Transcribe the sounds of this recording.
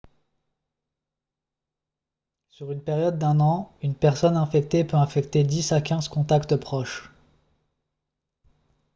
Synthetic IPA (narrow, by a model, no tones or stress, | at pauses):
syʁynpeʁjɔd̪ːɛ̃nɑ̃ynpɛʁsɔnɛ̃fɛk̚t̪epøɛ̃fɛkt̪ed̪isakʲɛ̃zkɔ̃t̪akt̪pχɔʃ